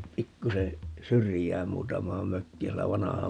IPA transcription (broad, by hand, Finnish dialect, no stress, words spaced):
pikːuse syrijæːn muːtɑmˑɑːm møkːiːn sielæ ʋɑnɑhɑ